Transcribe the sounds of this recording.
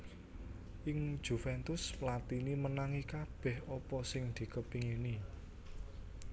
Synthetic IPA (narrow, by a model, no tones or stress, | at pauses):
ʔɪŋ̥ʒ̥ṳfɛnt̪ʊsplat̪inimənaŋikab̥ɛ̤hɔpɔsɪŋd̪̥i̤kəpiŋini